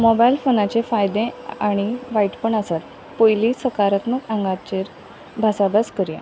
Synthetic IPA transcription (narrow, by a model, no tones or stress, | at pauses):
mɔbajlfonat͡ɕefajd̪ẽaɽ̃iʋaiʈpəɳasat̪ | pojlisəkaɾət̪məkãŋɡat͡ɕeɾ | bʱasabaskəɾja̰